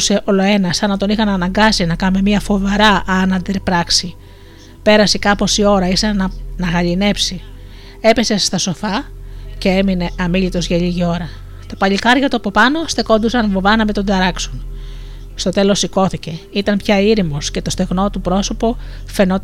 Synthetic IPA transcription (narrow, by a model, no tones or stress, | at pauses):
se̞ʔo̞lo̞e̞nɐsɐnɐt̪o̞nixɐnɐnɐŋɡɐsinɐkɐme̞miɐfo̞vɐɾɐʔɐnɐnd̪eɾpɾɐksi | pe̞ɾɐsekɐpo̞sio̞ɾɐiθenɐnɐɣɐʎine̞psi | e̞pe̞se̞st̪ɐso̞fɐce̞e̞mine̞ɐmiʎit̪o̞zʝɐʎiʝio̞ɾɐ | t̪ɐpɐʎikɐɾʝɐt̪uɐpo̞pɐno̞st̪e̞ko̞nd̪usɐnvovɐnɐmet̪o̞nd̪ɐɾɐkson | st̪o̞t̪e̞lo̞siko̞θice̞it̪ɐmpçɐiɾimo̞sce̞t̪o̞st̪e̞ɣno̞t̪upɾo̞so̞po̞ | fe̞no̞